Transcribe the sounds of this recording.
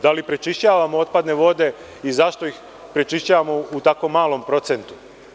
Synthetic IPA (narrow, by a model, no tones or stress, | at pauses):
d̪alipɾet͡ʃiʃt͡ɕaːʋamoot̪̚pad̪ne̞ʋo̞d̪e̞ | izaʃt̪o̞ix | pɾet͡ʃiʃt͡ɕaːʋamo̞ut̪ako̞mːaːlˠo̞mpɾo̞t̪se̞nt̪u̥